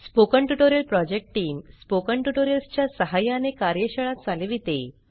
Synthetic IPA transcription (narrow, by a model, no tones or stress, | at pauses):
spokəɳʈuʈoɾjəlpɾɔd͡ʑek̚ʈʈiːmspokəɳʈuʈoɾjəlst͡ɕjasəɦajãnekaɾjəɕəɭat̪t͡salʋit̪e